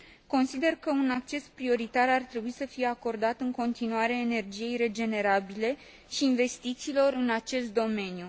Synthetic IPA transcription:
ko̞nsid̪e̞rkəunak̚t͡ʃe̞spɾio̞ɾit̪arart̪ɾe̞buisəfije̞ako̞rd̪at̪ɨŋko̞nt̪inuaɾeeːne̞rd͡ʒije̞jre̞d͡ʒe̞ne̞ɾabile̞ | ʃiːnve̞st̪it̪siːlo̞rɨnat͡ʃe̞st̪̚d̪o̞me̞nju

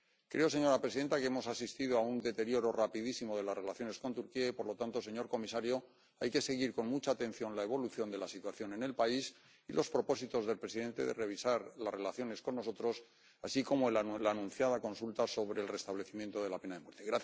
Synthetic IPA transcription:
kɾʔe̞ose̞ɲo̞ɾapɾeiðe̞nt̪akee̞mo̞sasist̪ið̞oaund̪e̞t̪e̞ɾjo̞ɾo̞rapiðisimo̞ðe̞lazre̞laθjo̞ne̞sko̞nt̪uɾkiaipo̞ɾlo̞t̪ant̪o̞se̞ɲo̞ɾko̞misaɾjo̞ | ajke̞se̞ɣiɾko̞nmut͡ʃaːt̪e̞n̟θjo̞nlae̞β̞o̞luθjo̞nd̪e̞lasit̪waθjo̞ne̞ne̞lpais | ḭlʔo̞spɾo̞po̞sit̪o̞zðe̞lpɾe̞siðe̞nt̪e̞̰ðe̞̰re̞β̞isaɾlazre̞laθjo̞ne̞sko̞nːo̞so̞t̪ɾo̞s | asiko̞moellanũnθjaðako̞nsult̪aso̞βɾe̞ːlre̞st̪aβle̞θimje̞nt̪oð̞e̞lape̞naðe̞mwe̞ɾt̪eɣɾa

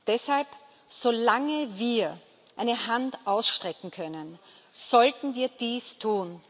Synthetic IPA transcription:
d̥ɛshalp | z̥olaŋəviːɐ | ʔʔaɪnəɦantʔaʊsʃtʁ̥ɛkŋ̩kʰœnən | z̥ɔltn̩viːɐd̥iːstʰuːn

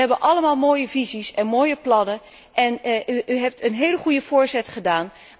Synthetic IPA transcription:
ɦɛbənʔɑləmaːlˠmoːjəvizisɛnmoːjəplɑnə | ʔɛnyʔyɦɛp̚tənɦejləχujəv̥oːɹzɛtχədaːn

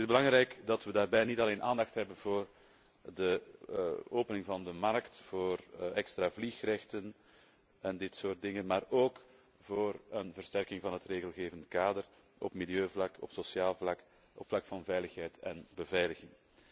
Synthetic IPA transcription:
tɪzbəlɑŋɾɛjkdɑtʋədaːrbɛjnitɑleːnʔaːndɑxtɦɛbənvoːr | də | oːpənɪŋvɑndəmɑrktv̥oːrɛkstɾavlixrɛxtən | ɛndɪtsoːrt̚dɪŋənmaːroːk | v̥oːrənvərstɛrkɪŋvɑnɦətreːɣəlˠɣeːvəntkaːdər | ʔɔ̰pmiljøːvlɑkɔ̰psosjaːlˠvlɑk | ɔ̰pflɑkfɑnvɛjləxɦɛjtɛnbəvɛjləɣɪŋ

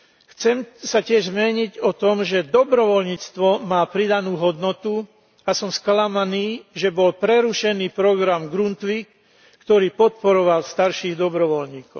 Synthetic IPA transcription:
xt͡sɛmsacɪɛʒzmɛɲiɟɔt̪ɔmʒɛd̪ɔbɾɔʋɔlɲiːt͡st̪ʋɔmaːpɾid̪anuːɦɔd̪nɔt̪u | asɔmsklamaniːʒɛbɔlpɾɛɾuʃɛniːpɾɔɡɾamɡɾunt̪ʋikː | t̪ɔɾiːpɔt̪̚pɔɾɔʋalst̪aɾʃiːɣd̪ɔbɾɔʋɔlɲiːkɔʊ

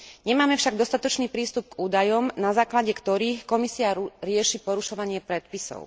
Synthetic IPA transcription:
ɲɛmaːmɛfʃaɡd̪ɔst̪at̪ɔt͡ʃniːpɾiːst̪up̚kuːd̪ajɔmnazaːklaɟɛkt̪ɔɾiːxkɔmisiaɾɪɛʃipɔɾuʃɔʋaɲɪɛpɾɛt̪̚pisɔ̰ʊ

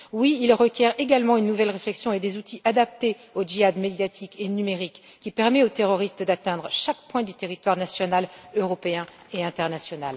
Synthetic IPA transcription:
wiːlʁəkʲjɛʁeɡalmɑ̃ynːuvɛlʁeflɛksjɔ̃ed̪ezut̪iʔad̪ap̚t̪e | oʒiad̪med̪jat̪ʰikʰenymeʁikːipɛʁmɛot̪eʁɔʁist̪d̪at̪ɛ̃d̪ʁəʃak̚pwɛ̃d̪yt̪eʁit̪waʁnasjɔnaløʁɔpeɛ̃ | eɛ̃t̪ɛʁnasjɔna̰l

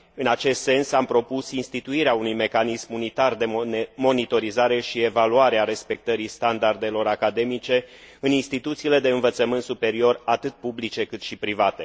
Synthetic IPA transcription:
ɨnat͡ʃe̞st̪se̞nsampɾo̞pusinst̪it̪uiɾeaunujme̞kanismunit̪ard̪emo̞nit̪o̞ɾizaɾe̞ʃie̞valuaɾeaɾe̞spe̞k̚t̪əɾist̪and̪ard̪e̞lo̞ɾakad̪e̞mit͡ʃe̞ | ɨninst̪it̪ut̪siːle̞d̪e̞ɨnvət̪səmɨnt̪supe̞ɾio̞rat̪ɨt̪̚publit͡ʃe̞kɨt̪ʃipɾivat̪e̞

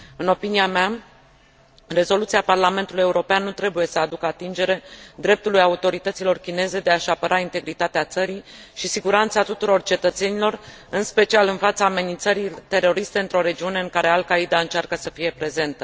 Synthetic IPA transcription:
ɨno̞piniamea | re̞zo̞lut̪siaparlament̪uluje̞uɾo̞peanːut̪ɾe̞buje̞səad̪ukəat̪ind͡ʒe̞ɾe̞d̪ɾe̞p̚t̪ulujaut̪o̞ɾit̪ət̪silo̞rkʲine̞ze̞d̪e̞aʃapəɾʔaint̪e̞ɡɾit̪at̪eat̪səɾi | ʃisiɡuɾant̪sat̪ut̪uɾo̞rt͡ʃe̞t̪ət̪se̞nilo̞r | ɨnspe̞t͡ʃialɨnfat̪saːme̞nint̪səɾit̪e̞ro̞ɾist̪e̞ɨnt̪ɾo̞ɾe̞d͡ʒiune̞ɨŋkaɾe̞alkaid̪aɨnt͡ʃarkəsəfije̞pɾe̞ze̞nt̪ə

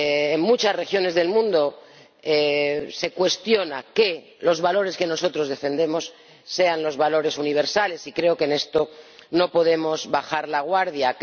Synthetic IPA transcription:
ŋmut͡ʃasre̞xjo̞ne̞zðe̞lmũnd̪o̞ | ese̞kwe̞st̪jo̞nake | lo̞zβalo̞ɾe̞ske̞no̞so̞t̪ɾo̞zðe̞fe̞nd̪e̞mo̞sː | e̞anlo̞zβalo̞ɾe̞suniβ̞e̞ɾsale̞sikɾe̞okene̞st̪o̞no̞po̞ð̞e̞mo̞zβaxaɾlaɣwaɾðjak

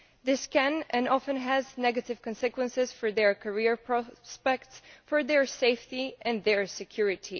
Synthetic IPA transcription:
ðɪskɛ̃nɛ̃nɑfə̃nɦæznɛɡɨtɪv̥kɔ̃nsɪkwə̃nsɪz̥fɔɹðɛɹkʰəɹiɹpʰɹɔspɛktsfəɹðɛɹseɪftiɛ̃nðɛɹsɨkʰj̥ʊɹɪtʰi

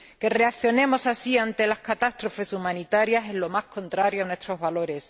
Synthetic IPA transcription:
ke̞re̞akθjo̞nemo̞sasiant̪e̞lahkat̪ast̪ɾo̞fe̞sumãnit̪aɾjase̞zlo̞mahkõ̞nt̪ɾaɾjoanwe̞st̪ɾo̞zβalo̞ɾe̞s

